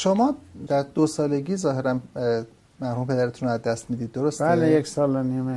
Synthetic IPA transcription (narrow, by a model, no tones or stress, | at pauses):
ʃomɒːd̪æɾd̪osɒːle̞ɡiːzɒːɦe̞ɾæn | mæɾhuːmepʰe̞d̪æɾet̪ʰunɾoæzd̪æst̪mid̪iːd̪̚ːo̞ɾostb̪æelejekʲsɒːlenime